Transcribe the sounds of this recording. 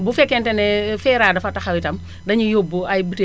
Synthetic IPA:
bufɛkːɛntɛnɛfɛːɾadɐfataxɐwitɐm | dɐɲijobuajbute

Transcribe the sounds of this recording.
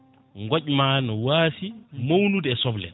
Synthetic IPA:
ŋɡɔcmanɔwaːsimownudɛsɔblɛ̰n

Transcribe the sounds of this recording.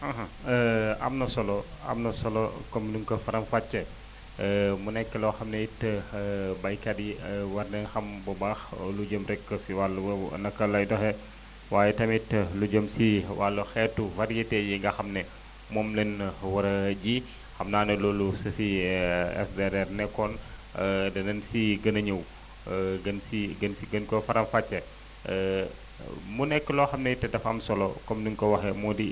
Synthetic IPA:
aɦɐ | ɐ̰mnɐsɔlɔ | ɐ̰mnɐsɔlɔkɔmnuŋkɐfɐɾɐmfat͡ʃːɐ | munɛkːɛlɔxɐmnejit | bɐjkɐdiwɐrnɛxɐmbɔbaːxluɟəmɾɛkːəsiwalwnɐkːɐlɐjdɔxɛ | waːjɛtɐmitːluɟəmsiwalːɐxɛtːuvɐɾijetejiŋɡɐxɐmnɛ | mɔːmlɛnwɐɾɐɟi | xɐmnaːnɐlɔːlusɐfiɛ̰sdɛɾɛrnɛkːɔn | dɐnɐnsiɡɐnɐɲɐw | ɡɐnsiɡɐnsiɡɐnkɔfɐɾɐmfɐt͡ʃːɐ | munɛkːəlɔxɐmnɛtɛdɐfɐ̰msɔlɔkɔmdiŋkɔwɐxɛmɔdi

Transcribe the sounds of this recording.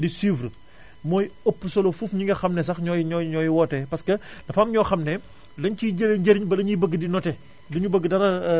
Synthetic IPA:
disiːvr | mɔːjopːəsɔlofufɲiŋɡɐxɐmnɛs̬ɐxɲɔɲɔɲɔːjiwɔːtɛpɐskɐdɐfamɲɔːxɐmnɛ | lɐɲciɟəɾeɲɟɐɾɲbɐlɐɲubəɡːədinɔtɛ | dɐɲubəɡːədɐɾɐ

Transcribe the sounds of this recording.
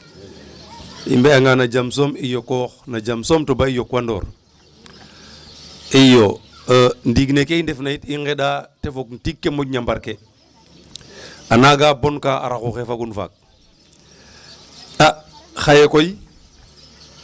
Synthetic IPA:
ḭmbeaŋanad͡ʒamsomijokoxnad͡ʒamsomtobaijokwando̰ːɾ | ijo | əndiɡnekeindefnaitiŋɡeɗatefok̚ntikːemoɟɲambaɾke | anaɡaːbonkaa̰ɾaxuxefaɡunfa̰k̚ | a | xajekoj

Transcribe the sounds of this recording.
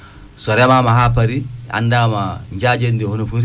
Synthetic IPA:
sɔɾɛmamaɦap̬aɾia̰ndaːmaɲd͡ʒad͡ʒendihonifuɾi

